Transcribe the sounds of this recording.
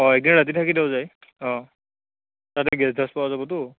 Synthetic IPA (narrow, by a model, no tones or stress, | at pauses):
ɔɛk̚dinɹat̬itʰakidɛwzaj | ɔ̃ | tatɛɡɛsdʱaspawazabɔtʊ